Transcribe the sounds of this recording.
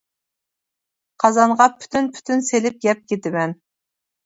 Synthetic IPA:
qʰɑzɑɴʁɑpʰy̥t̪ʰynpʰy̥t̪ʰynselɪp̚ɡʲɛp̚ɡʲkʲet̪ɪmɛn

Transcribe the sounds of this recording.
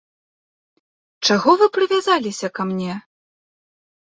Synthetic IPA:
t͡ʂaɣɔvɨpɾɨvʲazalʲisʲɐkamnʲɛ

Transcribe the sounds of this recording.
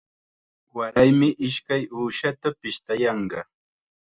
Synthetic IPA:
waɾajmɪʔɪʃkajuːʃat̪apɪʃt̪ajɑɴɢɑ

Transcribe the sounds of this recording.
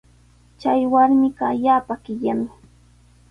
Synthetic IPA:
t͡ʃajwaɾmɪɢɑːʎaːpaɢɪʎamɪ

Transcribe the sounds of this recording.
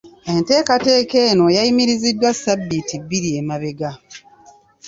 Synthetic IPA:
e̞nte̞ːkate̞ːke̞ːno̞jaimiɾizidːwasabːitibːiɾiemaβe̞ɡa

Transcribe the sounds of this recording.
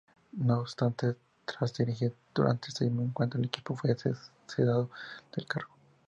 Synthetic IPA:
noːbst̪ant̪e | t̪ɾazd̪iɾixiɾd̪̥uɾʔa̰nt̪eest̪imoeŋkwant̪oeleki̥pofwes | siðaðoð̥elkaɾɣo

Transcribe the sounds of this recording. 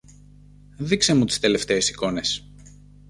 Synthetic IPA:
ðikse̞mut̪i̥st̪e̞le̞ft̪e̞ːsi̥ko̞ne̞s

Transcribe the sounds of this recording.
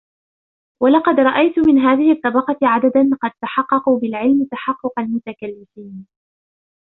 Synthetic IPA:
wɑlɑqɑd̪ɾˤɑʔajt̪ʊmɪnɦaːðɪhɪt̪ˤːɑbɑqɑtʕad̪ad̪anqɑd̪̚t̪aħɑqːɑquːbɪlʕɪlmɪt̪aħɑqːʊqɑlmʊt̪akalːɪfiːn

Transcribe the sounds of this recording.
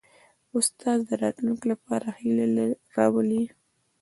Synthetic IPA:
ʊst̪ɑzd̪əɾɑt̪lunklapɑɾahileɾɑwəli

